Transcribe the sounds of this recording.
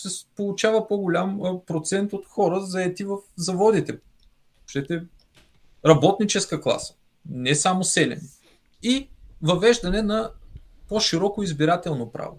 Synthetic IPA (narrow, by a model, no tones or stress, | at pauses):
sɛpolˠʊt͡ʃavəpoɡolʲampɾot̪sɛnt̪ot̪xɔɾəzɐɛt̪ivəfzɐvɔd̪it̪ɛ | oʃt̪ɛt̪ɛ | ɾɐbɔt̪nit͡ʃɛskəklˠa̰sə̥ | nɛsamosɛlɛ̰n | ivɐvɛʒd̪ɐnɛnɐ | poʃiɾɔkoizbiɾat̪ɛlˠnopɾa̰vo̰